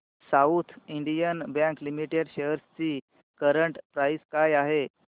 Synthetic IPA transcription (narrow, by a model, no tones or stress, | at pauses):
saut̪ʰiɳɖijənbjãŋklimiʈeɽɕeɦəɾst͡ɕiː | kəɾəɳʈpɾajskajaɦe